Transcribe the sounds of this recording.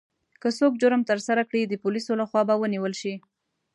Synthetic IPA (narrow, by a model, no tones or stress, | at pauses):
kəsok̚d͡ʒʊɾəmt̪əɾsaɾakɽid̪əpulisolaxwɑbawəniwəlʃi